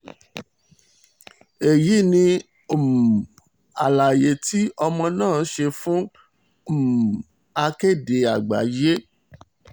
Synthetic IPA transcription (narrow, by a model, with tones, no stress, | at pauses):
e˨ji˨˦nĩ˧˨ | m˨ | a˨la˨je˨tʰi˦ɔ˧mɔ̃˧nãː˦˨˦ʃe˧fũ˦˨ | m˨ | a˧ke˦˨de˨a˨ɡ͡ba̰˨je˦